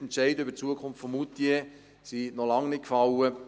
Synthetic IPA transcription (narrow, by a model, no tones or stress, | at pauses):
ɛntʃɛɪdəʏbəɾt͡suəkʰʊnftfɔmut̪je | sinɔlɑŋnɪtkfɑlə